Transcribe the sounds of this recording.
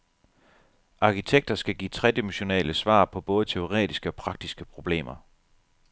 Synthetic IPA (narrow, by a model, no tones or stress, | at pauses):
ʔɑ̈kʰit͡sʰeɡ̥̚d̥ɐsɡ̥æɡ̥ḭːt͡sʰʁɛd̥imuɕo̝nɛ̰ːləsʋɑ̰̈ːpʰɒ̽b̥ɔ̽ːð̞ˠt͡sʰe̝o̝ʁɛ̰ːd̥isɡ̥əɒ̽pʰʁɑ̈ɡ̥̚d̥isɡ̥əpʰʁo̝b̥le̝̰ːmɐ